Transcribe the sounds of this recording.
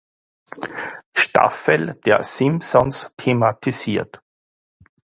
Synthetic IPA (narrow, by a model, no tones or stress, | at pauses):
ʃta̰fəld̥eːɐsɪmsɔnstʰematʰisiːɐt